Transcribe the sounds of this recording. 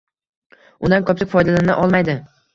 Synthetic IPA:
ʊ̰nd̪ankʰɒp̚t͡ʃ̪ɪkʲfɒjd̪alaɪnɪ̰ʔɒlˠmajd̪ɪ

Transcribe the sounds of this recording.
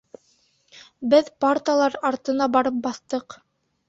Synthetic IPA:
bɘðpart̪alˠɑɾɑɾt̪ɤ̆nɑbɑɾɤp̚bɑθt̪ɤq

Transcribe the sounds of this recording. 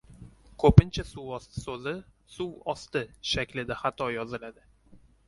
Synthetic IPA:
kʰɵpɪnt͡ʃʰasuwɒst̪ɪ̥sɵzɪ | suwɒst̪ɪʃakʲlɪd̪aχat̪ʰɒjɒzɪlad̪ɪ

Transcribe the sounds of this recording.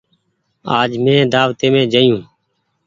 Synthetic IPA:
aːd͡ʒmẽːd̪aːʋt̪eːmẽːd͡ʒəjũː

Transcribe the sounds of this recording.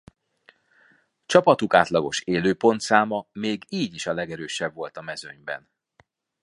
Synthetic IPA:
t͡ʃɒpɒt̪ukaːt̪lɒɡo̞ʃeːløːpo̞nt̪saːmɒmeːɡiːɟiʃɒlɛɡɛɾøːʃɛbvo̞lt̪ɒmɛzøɲbɛ̰n

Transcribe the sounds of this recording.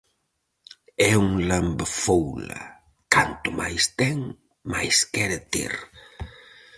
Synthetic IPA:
ɛuŋlambɐfowlɐ̰ | kant̪ʊmajst̪ɛŋ | majskɛɾɪt̪ḛɾ

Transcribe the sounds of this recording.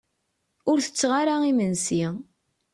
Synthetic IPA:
ʊɾθə̥t͡sːʁaɾaimənsi

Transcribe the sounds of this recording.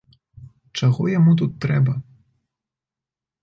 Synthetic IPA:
t͡ʂaɣɔjamut̪̬ut̪ːɾɛbɐ

